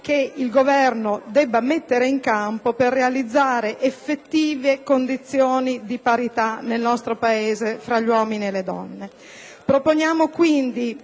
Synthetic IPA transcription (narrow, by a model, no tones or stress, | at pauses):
keilɡovɛrnod̪ɛbːamet̪ːeɾeiŋkampoperːealid̪zːaːɾeʔefːet̪ːiːvekond̪it̪sːjoːnid̪ipaɾit̪anelnɔst̪ɾopaeːzefɾaʎːwɔːminieled̪ɔ̰nːe | pɾoponjaːmokwind̪i